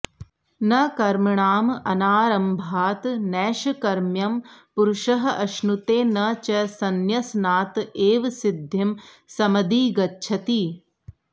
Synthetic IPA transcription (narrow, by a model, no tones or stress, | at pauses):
nɐkɐɾmɐɳaːmɐnaːɾɐmbʱaːt̪nɛːʃɐkɐɾmjɐmpuɾʃɐɦɐʔɐʃnut̪eːnɐt͡ʃɐsɐnjɐsnaːt̪eːʋsɪd̪ʱjɐm | sɐmɐd̪iːɡɐtːʃʰɐt̪iː